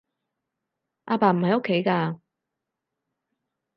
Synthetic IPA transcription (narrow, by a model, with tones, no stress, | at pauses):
ʔaː˧paː˨˩m̩˨˩hɐ˨jo˥kʰːe˨˥jkaː˧